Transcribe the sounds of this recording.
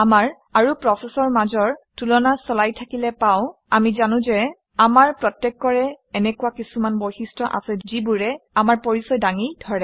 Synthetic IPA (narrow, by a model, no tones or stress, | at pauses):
amaɹ | aɹupɹɔsɛsɔɹmazɔɹtulɔnasɔlajtʰakilɛpaʊ̃ | amizanʊ̃zɛ | amaɹpɹɔtjɛkːɔɹɛ | ɛnɛkuwakisumanbojsistɹɔʔa̰sɛzibuɹɛamaɹpoɹisɔjdaŋidʱɔɹɛ